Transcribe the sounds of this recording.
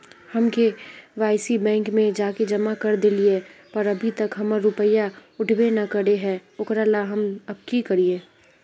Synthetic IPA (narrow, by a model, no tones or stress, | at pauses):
hɐmkeʋaːɪsibɛ̃ːŋkmẽd͡ʒaːked͡ʒɐmakɐɾd̪ɪliepɐɾɐbʱit̪ɐkɦɐməɾːʊpəjaʊʈʰbenɐkəɾeɦɛʊkɾalaɦɐmɐb̚kikɐɾiẽː